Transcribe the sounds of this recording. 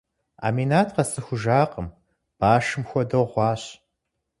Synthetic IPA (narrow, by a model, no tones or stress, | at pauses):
a̰ːminaːtʰqɐsɨxʷʊʒaːqəm | b̥aːʃɨmxʷɔdɐʁʷɑːɕ